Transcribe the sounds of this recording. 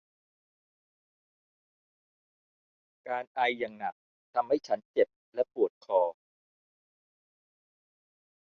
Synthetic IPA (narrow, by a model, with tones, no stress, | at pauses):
kaː˧nʔa˧jːa˨˩ŋna˨˩k̚ | t̪ʰa˧mha˥˩jt͡ɕʰa˦˥nt͡ɕe˨˩p̚lɛ˦˥pu˨˩ət̪̚kʰɔː˧